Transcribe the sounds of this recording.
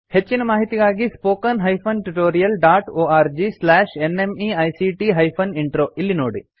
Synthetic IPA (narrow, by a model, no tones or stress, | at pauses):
het͡ʃːinɐmaːɦit̪iɡaːɡispoːkɐnɦɐjpʰɐnʈuʈoːɾijɐlɖaːʈoːaːɾd͡ʒislɛːʂenemiːɐjsiʈiɦɐjpʰɐniɳʈɾoːilːinoːɽi